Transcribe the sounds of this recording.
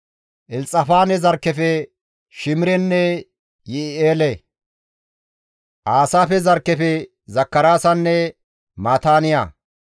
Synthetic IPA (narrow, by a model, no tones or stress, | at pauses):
ʔɪlt͡sʼːɐfaːnɛzɐɾkːɛfɛ | ʃɪmɪɾɛnːɛ | jɪɪeːlɛ | ʔaːsaːfɛzɐɾkːɛfɛ | zɐkːɐɾaːsɐnːɛ | maːt̪aːnɪja̰